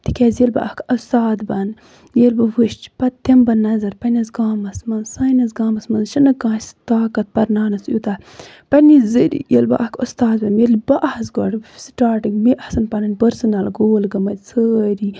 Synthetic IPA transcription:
t̪ikʲeːzjɐlbɐ̰ʔɐkɐst̪aːd̪bɐn | jelbɐʋɨʃt͡ʃpɐt̪t̪ɐmbɐnɐzɐɾpɐnɐzɡaːmɐsmɐnsaːnɐzɡaːmɐsmɐnʃɐnɐkɡãːst̪aːkɐt̪̚pɐɾnaːnɐsjṵt̪a | pɐnizɨɾḭjḛlbɐ̰ʔɐkʰust̪aːd̪bɐnjelbɐʔɐhɐsɡo̰ːʈsʈaːʈɨɡmiʔɐhsɐnpɐnɐnʲpɐɾsɨnɐlɡoːlɡɐmɐt̪ʲt͡sʰəːɾi

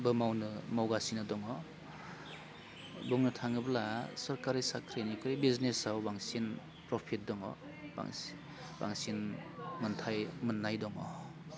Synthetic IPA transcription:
bɯmawnɯmawɡasinɯdɔŋɔ | buŋnɯtʰaŋɯblasɔɾkaɾisakʰɾinikʰɾibiznesawbaŋsin | pɾɔpʰit̚dɔŋɔ̰ | ba̰ŋ | ba̰ŋsinmɯntʰajmɯnːajdɔŋɔ̰

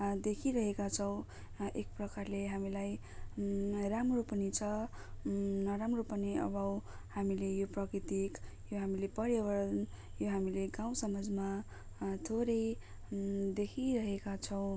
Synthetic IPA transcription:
d̪ekʰiɾʌɦekat͡sʰʌw̃ | ek̚prʌkarleɦamilaj | ramropʌnit͡sʰʌ | nʌɾamropʌniʌ̰bʌw | hamilejoprʌkrit̪ik | joɦamilepʌɽjewʌɾʌn | joɦamileɡaw̃sʌmʌd͡zma | t̪ʰoɾʌj | d̪ekʰiɾʌɦekat͡sʰʌw̃

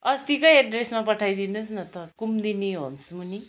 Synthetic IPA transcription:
ʌst̪ikʌjeɖresmapʌʈʰajd̪inusnʌt̪ʌkumd̪iniɦonsmuni

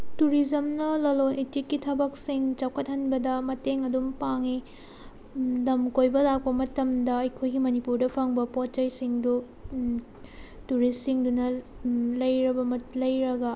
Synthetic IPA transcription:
tuɾid͡ʒɐmnɐlɐlonʔitikːitʰɐbɐk̚siŋt͡ʃɐwkʰɐt̚hɐnbɐdɐmɐteŋɐdumpaŋi | dɐmkojbɐlak̚pɐmɐtɐmdɐɐjkʰojɡimɐnipuɾdɐpʰaŋbɐpot͡ʃɐjsiŋdu | tuɾisiŋdunɐlɐjɾɐbɐmɐtlɐjɾɐɡɐ

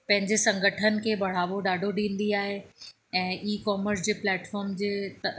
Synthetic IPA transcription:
pɐ̃ɦɪ̃ɲd͡ʑesɐ̃ŋɡʱəʈʰənɪ̆kʰeːbʱɐɽ̤aːʋoɖaːɖʱoɗĩːn̆d̪iaːɦe | ɛ̃ːʔiːkɔːməɾs̬d͡ʑeːplɛːʈfɔːɾmd͡ʑeːt̪ɐ

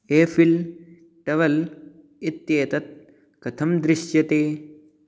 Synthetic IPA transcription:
eːfʰil | ʈɐʋɐl | it̪jeːt̪ɐt̪̚ | kɐt̪ʰɐmd̪ɾɪʃjɐt̪eː

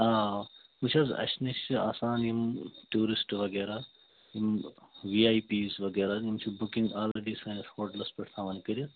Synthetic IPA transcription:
aːmut͡ʃʰɐzɐ̰ʃnit͡ʃia̰ːsaːnjimʈuːɾisʈʋɐɡeːɾaː | jimʋiːaːjpiːzʋɐɡeːɾajimt͡ʃʰibukĩŋɡaːleɖiːsɐːnɐshoːʈlɐspɐʈʰt̪ʰãːʋɐːnikɐɾʲjɐ

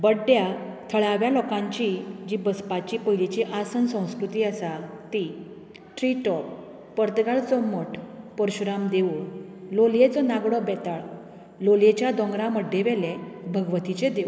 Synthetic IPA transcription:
bəɖjat̪ʰəɭaʋjalɔkãɲt͡ɕid͡ʑibəspat͡ɕipəjlit͡ɕiʔasənsə̃w̃skɾut̪iːəsat̪i | ʈɾiʈɔp̚ | pəɾt̪əɡaɭt͡sɔməʈʰpəɾɕuɾamd̪eʋuloljet͡sɔnaɡɽɔbɛt̪aɭ | loljet͡ɕjad̪ɔ̃ŋɡɾaməɖːeʋɛlebʱəɡʋət̪it͡ɕed̪e

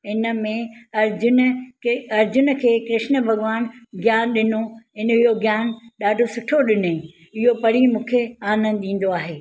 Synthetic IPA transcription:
ɪnə̆mẽɐɾd͡ʑʊn | ɐɾd͡ʑʊnkʰeːkɾɪʃnə̆bʱɐɣʋaːnɡjaːnɗɪnoɪnəɪɦoɡjaːnɗaːɖʱosʊʈʰoɗɪne | ɪɦopɐɽ̤imũːkʰeaːnə̃nd̪ɗĩːn̆d̪oaːɦeː

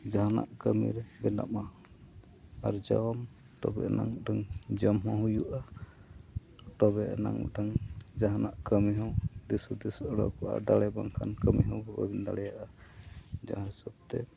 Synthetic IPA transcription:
d͡ʒaɦana̰ʔkəmḭɾbɛna̰ma | aɾd͡ʒawm | t̪ɔbɛʔna̰ŋuɖaŋd͡ʒəmɦɔ̃ɦujuʔa | t̪ɔbɛʔnaŋṵɖaŋd͡ʒaɦanaʔkəmiɦɔwd̪isud̪isɔɽɔ̰kɔʔa̰d̪alɛbaŋkʰankəmiɦɔ̃wbɔbabind̪alɛjaʔa | d͡ʒa̰ɦãsub̚t̪ɛ

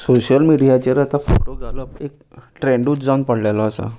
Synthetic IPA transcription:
soɕəlmiɽijat͡ɕeɾat̪afʰoʈoɡʱaləpek̚ | ʈɾẽɳɖuːt͡sd͡zanpəɽ̤lajlaːsa̰

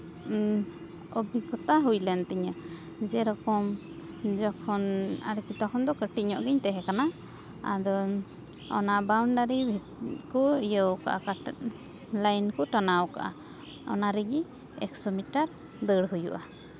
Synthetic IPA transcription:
ɔbikɔt̪aɦujlɛnt̪iɲa | d͡ʒɛɾɔkɔm | d͡ʒɔkʰɔna̰ɾkit̪ɔkʰɔnd̪ɔkəʈit̚ɲɔʔɡɛɲt̪ɛɦɛkana | a̰d̪ɔ | ɔ̰nabawɳɖaɾibʱi | kɔijəwka̰ʔa̰ka | lajnkɔʈanawka̰ʔa̰ | ɔ̰naɾɛɡi | ɛksɔmiʈaɾ | d̪əɽɦujṵʔa

